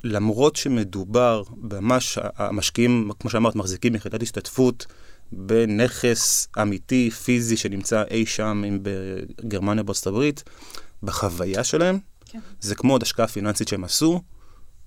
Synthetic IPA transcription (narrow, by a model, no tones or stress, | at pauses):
lamʁo̞tʃe̞me̞dubaʁbmamaʃa̰a̰maʃkiimkmoʃeamaʁtmaχzikimːiχidathiʃtatfut | bene̞χe̞samitifiziʃe̞nimt͡saʔe̞jʃamimbeɡeʁmanjabet͡sot̪abʁit̪baχavajaʃe̞lae̞m | zekmod̪aʃkaafinansit̪ʃeemasu